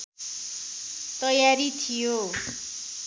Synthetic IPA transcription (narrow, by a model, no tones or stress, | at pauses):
t̪ʌjaɾit̪ʰijo